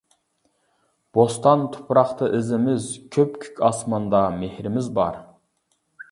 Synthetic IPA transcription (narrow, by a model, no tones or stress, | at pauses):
b̥ost̪ɑnt̪ʰu̥pʰɾɑχt̪ʰɨʔɪzɪmɪzkʲʰøpkʲʰy̥kʲʰɑsmɑnd̪ɑmehɾɪmɪzbɑɾ